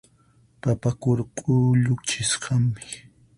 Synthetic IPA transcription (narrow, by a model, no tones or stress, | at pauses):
papakʊɾqʼʊʎʊkt͡ʃɪsqʰɑmmɪ̥